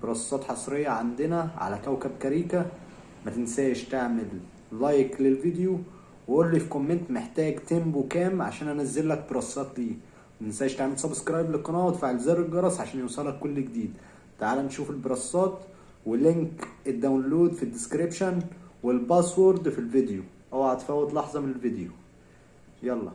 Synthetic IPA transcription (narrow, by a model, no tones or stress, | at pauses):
beɾˤɑsˤːɑːt̪ħɑsˤɾejːɑʕand̪enæʕa̰lækæwkæb̚kæɾiːkæ | mæt̪ensæːjʃt̪eʕmelː | ɑjklelvid̪ju | weʔoːlːifikomːent̪meħt̪æːɡt̪embwekæːmʕa̰ʃæːnʔænæzːelːæk̚beɾˤɑsˤːɑːt̪liː | wt̪ensæːɪʃt̪aʕmelsɑbskɾˤɑːjblekqːɑnɑːt̪faʕelzæɾˤlɡɑɾˤɑsˤʕaʃæːnjewsˤɑlːɑkːolːɡd̪iːd̪ | t̪aʕaːlænt̪ʃuːfelbɾˤɑsˤːɑːt̪ | weleŋkʔed̪ːæwnloːd̪fid̪ːɪskɾibʃænwelbɑswoɾd̪filved̪ju | ʔæwaʕat̪ːfæwːæt̪lɑħzˤɑmenelved̪ju | jɑlˤːɑ̰